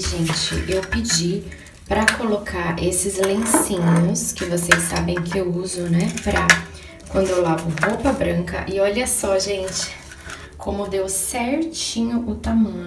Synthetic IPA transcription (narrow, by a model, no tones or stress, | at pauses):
ʒẽnt͡ʃɪ̰ʔewpɪd͡ʒi | pɾɐkolokʰaɾʔesɪzlẽsĩɲʊskɪvosejsːabẽj̃kɪewuzʊnɛpɾɐ | kwɐ̃nd̪ʊewlavʊɦopɐbɾɐ̃ŋkɐ̰ʔɪɔʎɐsɔʒẽnt͡ʃɪ̥ | kʰõmʊd̪ewsɛɾt͡ʃĩɲʊʔʊt̪amɐ̃ɲʊ